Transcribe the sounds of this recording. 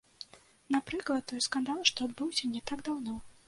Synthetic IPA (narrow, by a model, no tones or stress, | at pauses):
napɾɨklˠɐt̪̚t̪ːɔjskand̪alˠʂt̪ɔad̪bɨwsʲɐnʲɛt̪aɡd̪awnɔ